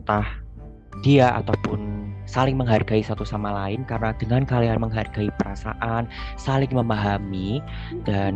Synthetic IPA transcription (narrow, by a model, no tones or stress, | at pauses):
t̪ah | diaʔa̰t̪awpʊnsalɪŋməŋɦarɡaisat̪usamalaɪnkarənad̥əŋankalianməŋɦarɡaipəɾasa̰ʔan | salɪŋməmaɦami | dan